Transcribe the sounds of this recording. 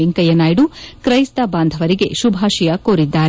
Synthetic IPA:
iŋkɐjɐnaːjiɖukɾɐjst̪ɐbaːnd̪ʱɐʋɐɾiɡe̞ʃubʱaːʃijɐkoːɾid̪ːaːɾe

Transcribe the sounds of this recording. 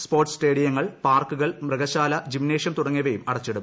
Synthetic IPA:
spoːrʈːsʈe̞ːɽijɐŋːɐɭpaːrkːuɣɐɭmrɨɡɐɕaːlɐd͡ʑimne̞ːʂjɐnt̪uɽɐŋːiʋɐjumɐɽɐt͡ɕːiɽum

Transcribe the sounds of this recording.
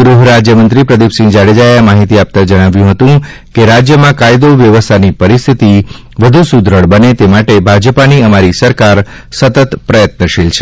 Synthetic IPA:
ɡɾuɦɾad͡ʒjəmənt̪ɾipɾəd̪ipsĩd͡ʒaɽed͡ʒajamaɦit̪iap̚t̪ãd͡ʒəɽ̃aʋjũɦət̪ũ | keɾad͡ʒjəmãkajd̪oʋjəʋəst̪ʰanipəɾist̪ʰit̪i | ʋəd̪ʱusud̪ʱɾəɭbənet̪emaʈebʱad͡ʒəpaniəmaɾisəɾkaɾ | sət̪ət̪pɾəjət̪nəʃilt͡ʃʰe

